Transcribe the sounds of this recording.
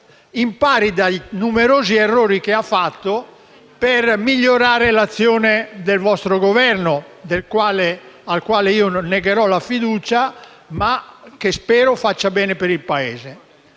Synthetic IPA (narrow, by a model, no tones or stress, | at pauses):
impaːɾid̪ajnumeɾoːzierːoːɾikeafːat̪ːo | permiʎːoɾaːɾelat̪sːjoːned̪elvɔst̪ɾoɡovɛrnod̪elkwaːlealkwaːleiːoneɡeɾɔlafid̪uːt͡ʃa | mak̟espɛːɾofat͡ʃːabɛːnepeɾilpaeːze